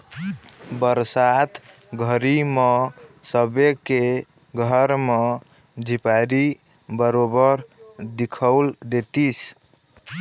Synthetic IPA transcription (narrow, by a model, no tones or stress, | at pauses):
bəɾsat̪ʰ | ɡʱəɾimesəbeke | ɡʱəɾme | d͡ʒʱipaɾi | bəɾobəɾd̪ikʰəld̪et̪is